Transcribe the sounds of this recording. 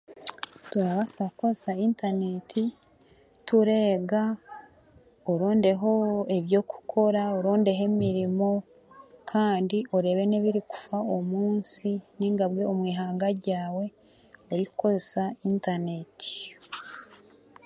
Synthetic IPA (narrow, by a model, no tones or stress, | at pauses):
tuɾaβasakko̞zesaiːntane̞tʰi | tuɾe̞ːɡa | oɾoːnde̞ɦo̞eβjo̞ku̥kʰo̞ɾaoɾoːnde̞ɦe̞miɾimo̞ | kʰaːndiʔoɾe̞ːβe̞neβiɾiku̥faomuːnsiniŋɡaβɡe̞omwiːɦaːŋɡaɾɟaːwe̞ | uɾikuko̞zesaintaneti̥